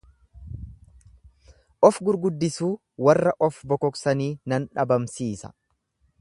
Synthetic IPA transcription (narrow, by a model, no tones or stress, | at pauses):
ʔɔfɡʊɾɡʊd̪ːɪsuː | wɐrːɐʔɔfbɔkɔksɐniːnɐnᶑɐbɐmsiːsɐ̥̰